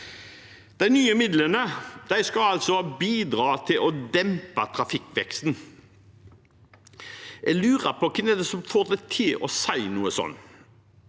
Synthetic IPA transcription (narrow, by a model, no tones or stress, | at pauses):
d̪̥æɪnyːəmɪd̪lənəd̪̥æɪskɑɑlt̪sɔbiːd̪ɾɑːt̪ʰɪlʔɔd̪ɛmpət̪ʰɾɑfɪkːʋɛ̰kst̪n | ɛɡlʉːʁəpʰɔkʰɛmɛd̪ɛsɔmfoːʁd̪æɪt̪ʰɪlɔ̰sæɪnuːəsɔ̰nː